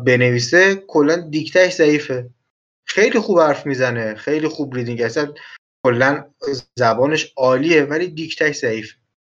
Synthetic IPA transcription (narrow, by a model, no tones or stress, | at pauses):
be̞ne̞viːsekʰolːænd̪ict̪ʰækʰzæiːfe̞ | xe̞jlixuːb̥hæɾfmiːzæne̞xe̞jlixuːbɾid̪iŋɡæsænkʰo̞lːænzæbɒːne̞ʃɒːliːevæliːd̪ikʰt̪ʰæcʰzæiːfe